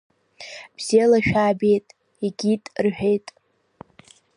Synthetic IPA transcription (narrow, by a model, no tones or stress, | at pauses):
b̥z̥elaʃᶣaːbe̞jtʼ | iɡʲitʼrħʷᶣe̞jtʼ